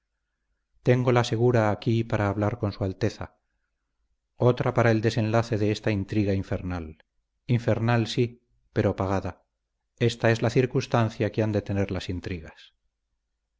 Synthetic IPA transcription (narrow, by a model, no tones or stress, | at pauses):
t̪e̞ŋɡo̞lase̞ɣ̞uɾaːkipaɾaːβlaɾko̞nsualt̪e̞θa̰ | o̞t̪ɾapaɾaeld̪e̞sẽ̞nlaθe̞ðeest̪aint̪ɾiɣaiɱfe̞ɾnal | iɱfe̞ɾnalsi | pe̞ɾopaɣ̞aða | e̞st̪ae̞zlaθiɾkust̪anθjakeand̪e̞t̪e̞ne̞ɾlasint̪ɾiɣas